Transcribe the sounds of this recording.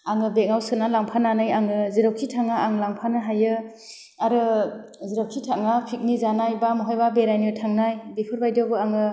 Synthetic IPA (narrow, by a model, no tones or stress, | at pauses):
aŋɯbek̚ŋawsɯnalaŋpʰananajaŋɯziɾaw̚kʰitʰaŋaaŋlaŋpʰanɯɦajɯ | aɾɯ | ziɾaw̚kʰitʰaŋapʰik̚nizanajbamɯɦɔjbabeɾajnɯtʰaŋnajbepʰɯɾbajdɔbɯaŋɯ